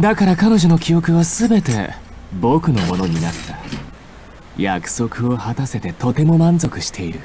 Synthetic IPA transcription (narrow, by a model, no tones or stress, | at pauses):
d̪akaɾakano̞ʑo̞no̞kʲijo̞kɯ̟βasɨbe̞t̪e̞̰bokɯ̟no̞mo̞no̞ɲ̟inat̪ːa | jakɯ̟̥so̞kɯ̟o̞hat̪ase̞t̪e̞t̪o̞t̪e̞mo̞mãnzo̞kɯ̟ɕi̥t̪ʰe̞iɾɯ̟